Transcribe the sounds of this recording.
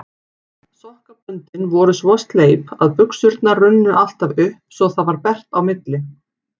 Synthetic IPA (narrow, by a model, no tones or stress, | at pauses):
sɔhkapʏnt̪ɪnvɔɾʏsvɔst̪leːjpa̰ðpʏksʏɾt̪narʏnːʏʔal̥t̪avʏhpsɔɣθaðvaɾpɛr̥t̪awmɪt̪lɪ